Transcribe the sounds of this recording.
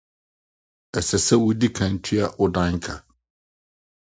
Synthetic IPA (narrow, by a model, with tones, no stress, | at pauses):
ɛ˨sɛ˨sɛ˦wʊ˦di˦kʰã˨n̩˨tʰi˦a˨ʔʊ˦dã˦ŋ˦kʰa˨